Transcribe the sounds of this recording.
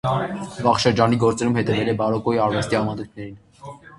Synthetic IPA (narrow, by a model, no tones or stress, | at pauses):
vɑχʃəɾd͡ʒɑniɡɔɾt͡sɛɾumhɛt̪ɛvɛlɛbɑɾɔkɔiɑɾvɛst̪iɑmɑnujt̪ʰnɛɾin